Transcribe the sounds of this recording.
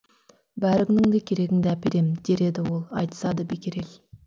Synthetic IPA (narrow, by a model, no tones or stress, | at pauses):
bæɾɪɡʲnɪŋd̪ekʲʰeɾe̞ɡʲɪŋd̪eæpeɾe̞mɪd̪̥e̞ɾe̞d̪ɪwo̞lˠɑjt̪ə̥sɑd̪əbekʲeɾe̞l